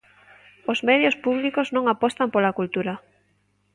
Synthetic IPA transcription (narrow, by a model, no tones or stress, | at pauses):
ozmeðjospuβlikoznõŋapɔst̪ampolakult̪uɾa